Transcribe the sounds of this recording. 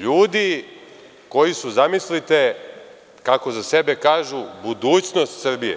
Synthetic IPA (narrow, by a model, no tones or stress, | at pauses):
ʎuːd̪i | ko̞jisuzamislit̪e̞ | kako̞zasebe̞kaːʒubud̪uːt͡ɕno̞st̪sr̩bijḛ